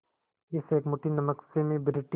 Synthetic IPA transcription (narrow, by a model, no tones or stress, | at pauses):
ɪseːkmʊʈʰinɐməksemẽbɪɾɪʈ